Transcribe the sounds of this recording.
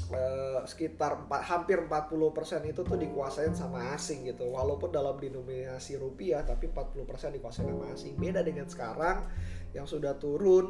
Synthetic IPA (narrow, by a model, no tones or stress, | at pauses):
əsə̥kit̪arəmpat̪̚hampɪrəm̩pat̪̚pulʊhpərsɛnit̪ut̪ʊhdikuasaɪnsamaːsɪŋɡit̪uwalaupʊndalamdinominasiɾupiat̪apimpat̪̚puluhpərsɛɪndikuasaɪnsamaːsɪŋbedadəŋansə̥kaɾaŋjaŋsudaht̪uɾʊn